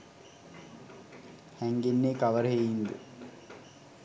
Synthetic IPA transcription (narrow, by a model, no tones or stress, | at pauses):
hæŋɡenːeːkaʋəɾəɦejind̪ə